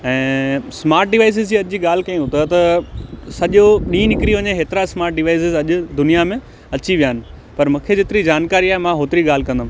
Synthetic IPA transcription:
ɛ̃ːsmaːɾʈ̚ɖɪʋaːɪs̬ɪzd͡ʑiːɐʄd͡ʑiːɠaːlɪkɐ̃ĩɦʊt̪ət̪ɐ | sɐʄoɗĩːnɪkɪɾiʋɐɲeɦeːt̪ɪɾasmaːɾʈ̚ɖɪʋaːɪsɪzɐʄʊ̆d̪ʊnijamẽ | ɐt͡ɕiʋijaːnɪ̆ | pɐɾmɐ̃kʰed͡ʑɪt̪ɪɾid͡ʑaːnkaːɾiaːɦemãɦoːt̪ɪɾiɠaːl̤ɪkɐ̃nd̪ã

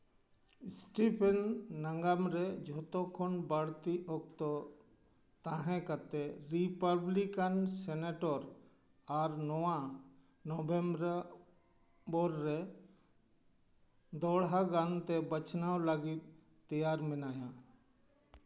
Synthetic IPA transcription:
sʈipʰɛnːəŋɡamɾɛd͡ʒʱɔt̪okʰɔnbəɽt̪iʔɔk̚t̪ɔ | t̪ãɦɛ̃kət̪eɾipəblikənsɛneʈɔɾ | aɾnɔwã | nɔbembɾ | bɔɾːe | d̪ɔɽɦaɡant̪ɛbət͡ʃnawləɡit̪̚ː | əjaɾmɪnaːjã

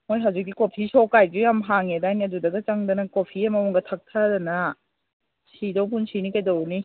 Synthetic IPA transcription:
mojɦawzik̚ːikopʰisɔkajd͡ʒujamɦaŋedajniadudɐɡɐt͡ʃaŋdɐnɐkopʰiɐmɐmuŋɡɐtʰak̚tʰadɐna | sidowpʰunsinikajdɐwni

